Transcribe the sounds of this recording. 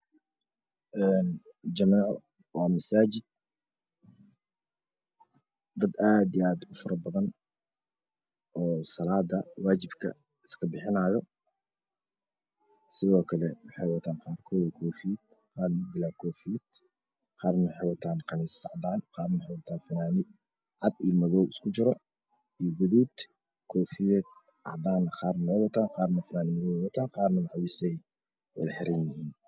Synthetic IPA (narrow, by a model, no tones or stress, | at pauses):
ʔɛːn | d͡ʒɐmaːʕ | wɑːmɐsaːd͡ʒɪd̪̥̚ | d̪ɐd̪aːd̪iaːd̪ʊfʊɾɐbɐðɐn | ʔɔːsɑlaːd̪ɐwaːd͡ʒɪbkʰɐ̰ | ɪ̥skʰɐbɪħɪnaːjɔ | sɪðɔːkʰɐlɛwɑħɑjwat̪ʰaːnqɑːrkʰɔːwkʰɔːfiːd̪̚ | qɑːrnɡ̪ɪlaːkʰɔːfijɛd̪ | qɑːrnwħɛwɐt̪ʰaːnqɑmiːsɑʕd̪aːnqɑːrnħɛjwɐt̪ʰaːnfɐnaːnɪ | ʕɑd̪iːmɐðɔwɪskʰʊt͡ʃɪɾɔ | iɡʊðuːd̪ | kʰɔːfɪjɛd̪ | ʕɑ̰ʕd̪aːnɐqɑːrnɔːwɐt̪ʰaːnqɑːrnɐfɐnaːnɪmðɔwɐt̪ʰaːnqɑːrnɐnaʕwisɛj | wɐ̰ðɐħɪɾɛnjɪhiːn